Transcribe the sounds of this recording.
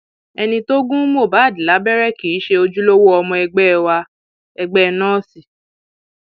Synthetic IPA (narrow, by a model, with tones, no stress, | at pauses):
ɛ˧nĩ˧to˦ɡũ˦mo˦˨ba˨˦˨di˨la˨˦bɛ˦ɾɛ˦˨ki˨˦ʃe˧o˧d͡ʒu˦lo˦wo˦ɔ˧mɔ̃˧ɛ˧ɡ͡bɛ˦˧wa˧ | ɛ˧ɡ͡bɛ˦˧nɔ̃ː˦˨si˨